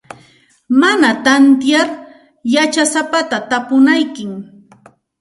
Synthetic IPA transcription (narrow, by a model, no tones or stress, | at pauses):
manat̪ant̪jaɾ | jat͡ʃasapat̪at̪apʊnajkɪŋ